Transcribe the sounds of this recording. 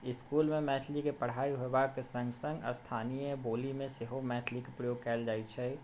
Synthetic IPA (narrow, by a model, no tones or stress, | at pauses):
ɪskuːlmẽmɛːʈ̪ʰlikepɐɽ̤aːiɦoebaːksɐ̃ŋɡsə̃ŋɡɔ̰st̪ʰaːnijẽboːlimẽseɦomɛːʈ̪ʰlikepɾəjoːɡ̚kɛːld͡ʒaːit͡ʃʰɛ